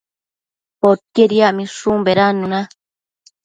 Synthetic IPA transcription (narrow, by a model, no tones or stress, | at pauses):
pot̪̚eɾiaʔmĩʂumbeɾanũnã